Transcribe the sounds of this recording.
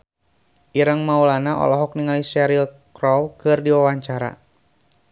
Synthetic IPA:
ʔiɾəŋmaulanaʔɔ̰lɔɦɔk̚niŋalisɛɾil | kɾɔwkɨrdiwawaɲt͡ʃaɾa̰

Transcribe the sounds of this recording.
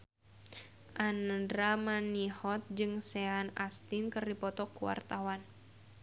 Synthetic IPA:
ʔandɾamanihɔt̪̚d͡ʒɨŋsɛanast̪inkɨrdipɔt̪ɔkuwa̰rt̪awan

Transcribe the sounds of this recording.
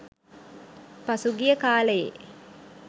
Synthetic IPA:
pasuɡijəkaːləjḛ

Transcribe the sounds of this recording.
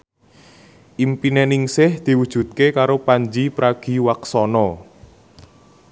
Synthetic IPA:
ʔimpinɛnɪŋsɪhd̪̥i̤wud̥ʒ̥ṳt̪̚kekaɾopaɲd͡ʒipɾaɡ̥i̤waksɔnɔ

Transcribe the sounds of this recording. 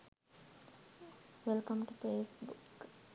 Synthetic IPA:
ʋelkə̃mʈupeːsbuk

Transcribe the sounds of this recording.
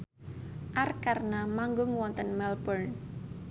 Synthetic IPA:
ʔarkarnamaŋɡʊŋwɔnt̪ənmɛlbərn

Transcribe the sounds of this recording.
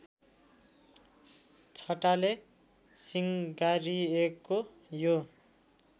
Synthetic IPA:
t͡sʰʌʈale | siŋɡaɾiekːo | jo

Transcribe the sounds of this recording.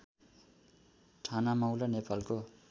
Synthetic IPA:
ʈʰanamʌwlanepalko

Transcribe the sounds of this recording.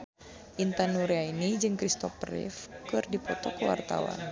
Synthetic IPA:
ʔint̪anuɾeainid͡ʒɨŋkɾist̪ɔfrḭfkɨrdipɔt̪ɔkəwa̰rt̪a̰wa̰n

